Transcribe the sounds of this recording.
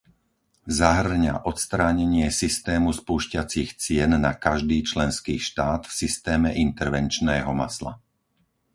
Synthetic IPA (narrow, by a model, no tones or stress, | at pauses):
zaɦr̩ɲa̰ʔɔt̪st̪ɾaːɲɛɲɪɛsist̪ɛːmuspuːʃcat͡siːxt͡sɪɛnːakaʒd̪iːt͡ʃlɛnskiːʃt̪aːt̪fsist̪ɛːmɛʔint̪ɛɾʋɛnt͡ʃnɛːɦɔma̰sla̰